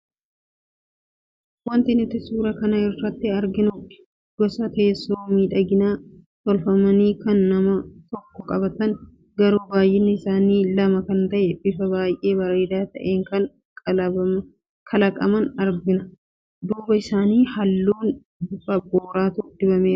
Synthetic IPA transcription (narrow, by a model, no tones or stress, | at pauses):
wɐnt̪ɪnɪt̪ːɪsuːɾɐkɐnɐɪrːɐt̪ːɪɐɾɡɪnʊ | ɡ̥ɔsɐt̪eːsːoːmiːᶑɐɡɪnaː | t̪ɔlfɐmɐniːkɐnːɐmɐt̪ɔkːɔkʼɐbɐt̪ɐŋ | ɡɐɾuːbaːjʔːɪnːɪɪsaːniːlɐmɐkɐnt̪ɐʔɛbɪfɐbaːjʔe̞ːbɐɾeːd̪aːt̪ɐ̰ʔeːŋkɐn | k | kʰɐlɐkʼɐ̰mɐnɐɾɡɪnɐ | d̪uːbɐɪsaːniːhɐlːuːn | b̪ʊfɐboːɾaːt̪ud̪̥ɪbɐmeːɾɐ